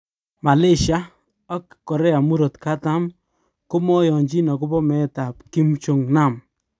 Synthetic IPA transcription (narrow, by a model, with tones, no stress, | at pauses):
ma˨le˦ʃa˦ | a˦kkɔ˨ɾɛ˦a˨mu˦ɾo˨tka˦ta˦m | ko˦mɔ˦jɔ˨ɲd͡ʒi˦nɔ˨kʊ˦bɔ˦mɛ˨˦ta˨pki˦mt͡ʃo˨ŋna˦˨m